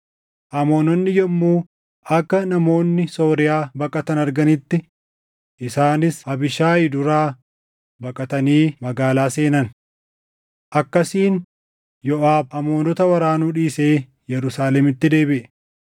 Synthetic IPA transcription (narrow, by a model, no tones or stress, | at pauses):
ʔɐmo̞ːnɔnːɪjɔmːuː | ɐkːɐnɐmo̞ːnːɪso̞ːɾɪjaːbɐkʼɐt̪ɐnɐɾɡɐnɪt̪ːɪ | ʔɪsaːnɪsɐbɪʃaːɪd̪ʊɾaː | bɐkʼɐt̪ɐniːmɐɡaːlaːse̞ːnɐn | ʔɐkːɐsiːn | jɔʔaːbɐmo̞ːnɔt̪ɐwɐɾaːnuːᶑiːseː | jɛɾʊsaːlɛmɪt̪ːɪd̪e̞ːbɪʔɛ